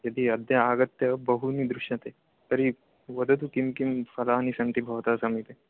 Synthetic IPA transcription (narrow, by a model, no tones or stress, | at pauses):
jɐd̪iɐd̪ʱjɐaːɡət̪ːjɐbɐɦunid̪ɾuʃjat̪e | t̪ɐɾi | ʋɐd̪ɐt̪ukimkimfɐlanisɐ̃nt̪ibʱɐʋt̪asɐmit̪e